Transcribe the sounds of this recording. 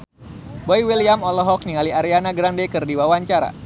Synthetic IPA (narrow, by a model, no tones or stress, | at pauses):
bɔjwiliamɔlɔɦɔk̚niŋaliaɾianaɡɾandɛkɨrdiwawaɲt͡ʃaɾa̰